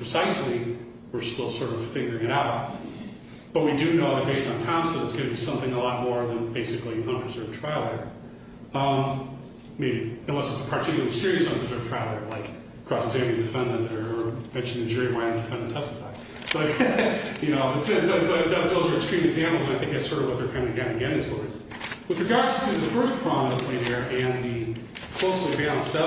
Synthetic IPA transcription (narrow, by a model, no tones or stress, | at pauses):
pʰɹ̥ɨsaɪsli | wɨɹstɪlˠsɔɹɾʌv̥fɪ̃ŋɡə˞ɪ̃ŋɨɾaʊt̚ | b̥ʌt̚widɨnoʊðɨt̚b̥eɪstn̩tʰãʊ̃msoʊðətsɡ̥ʌnɨbisʌ̃mθɪ̃ŋəlɔt̚mɔɹðɨ̃nbeɪsɨkliʌ̃npʰɹ̥ɨzɜ˞vtʰɹ̥aɪlˠə˞ | ʌ̃m | meɪbiɨ̃nlɛsɨtsə̥pʰə˞tʰɪkjl̩ˠlˠisɪɹiɨsʌ̃npʰɹ̥ɨzɜ˞v̥̚tʰɹ̥aɪlˠə˞laɪk | kʰɹ̥ɔsɨɡzæ̃mplɨ̃dɨfɛ̃ndɨ̃ntə˞ːmɛ̃nʃɨ̃n̩dɨ̃n̩d͡ʒʊɹimaɪɨ̃ndɨfɛ̃nd̃n̩tʰɛstə̥faɪ | b̥ʌt̚jɨnoʊʌɨbʌt̚b̥ʌt̚ðʌt̪̚ðoʊzə˞ɨkstɹ̥ĩmɨɡzæ̃mpl̩ˠzə̃naɪθɪ̃ŋk̚ðɨsɜ˞ɾvwʌt̪̚ðə˞kʰãɪ̃ndɨɡãɪ̃ndɨɡɛɾɪ̃ŋtʰə˞z̥ | wɨðɹɨɡɑɹdʰɨ̥sĩðɨfɜ˞spʰɹ̥ɑmʌɨleɪðə˞ʔɨ̃nðɨ | kʰl̥oʊslˠivæɪlˠə̃nsdɛ